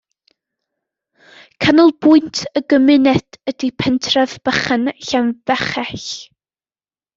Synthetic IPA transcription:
kʰanɔlˠbʊɨntʰəɡəmɪnɛd̥ədipʰɛntʰrɛðb̥əχənɬanvɛχɛɬ

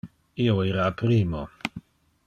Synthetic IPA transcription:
ioeɾapɾiːmo

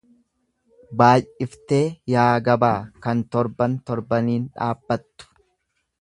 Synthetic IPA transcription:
baːjɪft̪e̞ːjaːɡɐbaːkɐnt̪ɔɾbɐnt̪ɔɾbɐniːnᶑa̰ːbːɐt̪ːʊ̥

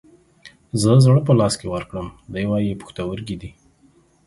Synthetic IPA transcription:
zəzɽəp̬əlɑskewəɾkɽəmd̪əjwɑjipu̥xt̪awəɾɡid̪i

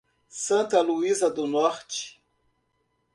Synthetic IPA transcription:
sɐ̃nt̪ɐluizɐd̪ʊnɔɾt͡ʃi̥

